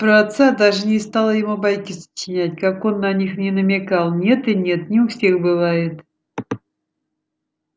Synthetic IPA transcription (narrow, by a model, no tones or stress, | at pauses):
pɾəat̪sad̪aʐɨnʲɪst̪alˠəjɪmubajkʲɪsə̥t͡ɕɪnʲætʲkako̞nːɐnʲixnʲɪnəmʲɪkalˠnʲe̞t̪ɨnʲe̞t̪nʲɪʊfsʲe̞xbɨvajɪt̪